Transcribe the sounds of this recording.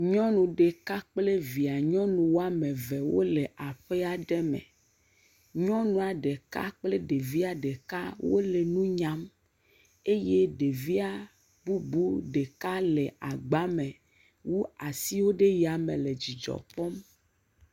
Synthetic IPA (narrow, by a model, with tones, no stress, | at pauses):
ɲɔ̃˦nũ˨ɖe˨ka˦k͡ple˦vi˨a˨ɲɔ̃˦nũ˨wo˦a˦mẽ˨vɛ˨wo˦le˨ʔa˨ɸe˦a˨ɖɛ˦mɛ̰̃˨ | ɲɔ̃˦nũ˨a˨ɖe˨ka̰˦k͡ple˦ɖe˨vi˦a˨ɖe˨ka˦wo̰˦le˨nũ˦ɲã˦m | e˦je˦ɖe˨vi˦a˨ | bu˦bu˦ɖe˨ka˦le˨ʔa˨ɡ͡ba˦mɛ̃˨ | wu˦a˨si˦wo˦ɖe˦ji˨a˨mẽ˨le˨d͡ʑi˨d͡ʒɔ̰˨pɔ˦m